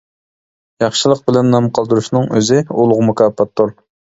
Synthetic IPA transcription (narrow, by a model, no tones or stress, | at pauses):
jɑχʃɨlˠəq̚bɪlɛnnɑmqʰɑlˠd̪uɾuʃnɨŋøzɪulˠʊʁmukʲɑːpʰːɑt̪ʰːʊɾ